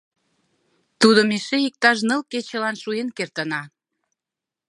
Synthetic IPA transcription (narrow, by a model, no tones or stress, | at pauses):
t̪ud̪omeʃeik̚t̪ɑʃnə̆lket͡ɕə̆lɑnʃuenkert̪ə̆nɑ